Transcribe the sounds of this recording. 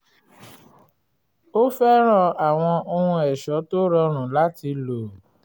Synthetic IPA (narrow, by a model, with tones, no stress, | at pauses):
o˦fɛ˦ɾ̃ã˦˨a˨w̃ɔ̃˧o˧hũ˧ɛ˨ʃɔ˨˦to˦ɾɔ˧ɾ̃ũ˨la˨˦ti˧lo˨